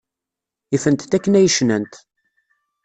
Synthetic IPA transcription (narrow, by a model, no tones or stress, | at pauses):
ifənt̪t̪ːækːənæjəʃnənt̪